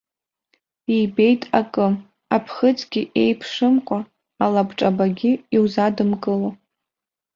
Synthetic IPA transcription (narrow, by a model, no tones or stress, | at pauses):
ibe̞jtʼakʼɨ | apʰχət͡sɡʲiʔe̞jpʰʂɨmqʷʼa | alabʈ͡ʂʼabaɡʲɪiwzadɨmkʼɨlo